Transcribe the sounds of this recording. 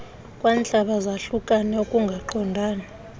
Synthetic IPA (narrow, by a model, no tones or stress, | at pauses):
kʼwant͡ɬʼaɓazaɬukʼanɛokʼuŋɡʱaǃʰɔndʱaːna